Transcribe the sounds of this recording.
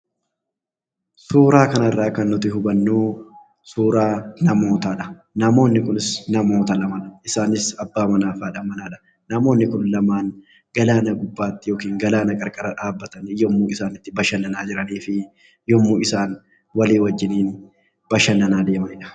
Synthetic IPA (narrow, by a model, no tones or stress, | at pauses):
suːɾaːkɐnɐɪrːaːkɐnːʊt̪ɪɦʊbɐnːuː | suːɾaːnɐmo̞ːt̪aːᶑɐ̥ | nɐmo̞ːnːɪkʊnɪsnɐmo̞ːt̪ɐlɐmɐnɐɪsaːnɪsɐbːaːmɐnaːfaːᶑɐmɐnaːᶑɐ̥ | nɐmo̞ːnːɪkʊnlɐmaːn | ɡ̥ɐlaːnɐɡʊbːaːt̪ːɪjo̞ːkiːŋɡɐlaːnɐkʼɐɾkʼɐɾɐᶑaːbːɐt̪ɐnjɔmːuːɪsaːnɪt̪ːɪbɐʃɐnːɐnaːd͡ʒɪɾɐniːfɪ | jɔmːuːɪsaːn | wɐliːwɐd͡ʒːɪniːn | b̥ɐʃɐnːɐnaːd̪e̞ːmɐnɪᶑɐ̥